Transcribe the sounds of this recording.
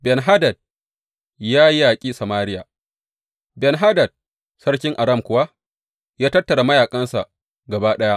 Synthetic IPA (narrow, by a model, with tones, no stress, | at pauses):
bɛ˨nɦa˦dɐ˨d̚ | jaː˦ji˦jaː˨kʲʼiː˦sɐ˨maː˦ɾɪ˦ja˨ | bɛ˨nɦa˦dɐ˨d̚ | sɐ˦ɽkʲɪ˦ŋʔa˨ɽɐ˦˨mkʷʊ˦wa˦ | jaː˦tɐ˦tːɐ˨ɽa˨mɐ˦jaː˨kʼɐ˦nsa̰˨ʔ | ɡɐ˨baː˦ɗɐ˦ja˦